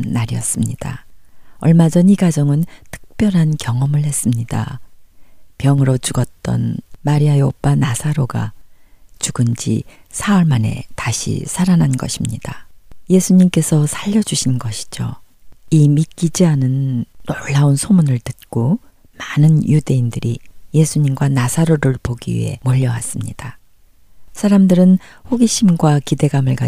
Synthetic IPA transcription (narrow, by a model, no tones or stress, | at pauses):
aɾijʌ̰s͈ɯmɲid̥a̰ | ʌɭmad͡ʑʌniɡad͡ʑʌŋɯntʰɯ̥k̚p͈jʌɾɦankjʌŋʌmɯɭhe̞s͈ɯmɲida̰ | pjʌŋɯɾot͡ɕuɡʌt̚t͈ʌ̰nmaɾiaeop͈anasʰaɾoɡa̰ | t͡ɕuɡɯnd͡ʑḭsʰawʌɭmane̞̰taɕʰḭsʰaɾananɡʌ̰ɕʰimɲidaje̞sʰuɲimk͈e̞sʰʌsʰaʎːʌd͡ʑuɕʰinɡʌɕʰi̥d͡ʑo̰imik͈id͡ʑiɦanɯnːoɭːaunsʰomunɯɭtɯt̚k͈o | manɯnjude̞indɯɾije̞sʰuɲimɡwanasʰaɾoɾɯɭpoɡiwḭɦe̞̰moʎːʌwa̰s͈ɯmɲid̥a | sʰaɾamdɯɾɯn | ɸoɡiɕʰimɡwakide̞ɡamɯɭɡa